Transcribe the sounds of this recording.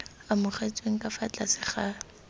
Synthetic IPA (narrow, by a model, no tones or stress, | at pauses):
amʊχet͡sʼweŋ̩kʼafat͡ɬasɪχaː